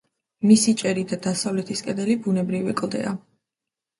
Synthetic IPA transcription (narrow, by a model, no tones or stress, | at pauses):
misit͡ʃʼɛɾid̪ad̪asavlɛt̪ʰiskʼɛd̪ɛlibunɛbɾivikʼlˠd̪ɛ̰a